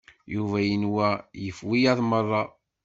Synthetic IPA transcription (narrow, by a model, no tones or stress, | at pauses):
juvæjənwæjəfwijɑðˤmərˤːɑ